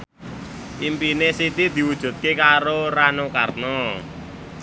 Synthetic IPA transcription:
ʔimpinesit̪id̪̥i̤wud̥ʒ̥ṳt̪̚kekaɾoranokarnɔ

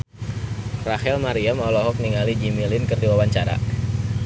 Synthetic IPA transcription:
rahɛlmaɾiamalɔɦɔk̚niŋalid͡ʒimilɪnkərdiwawaɲt͡ʃaɾa̰

